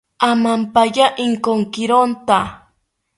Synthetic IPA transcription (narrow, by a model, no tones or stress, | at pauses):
amampajaʔɪŋkoŋkɪɾont̪a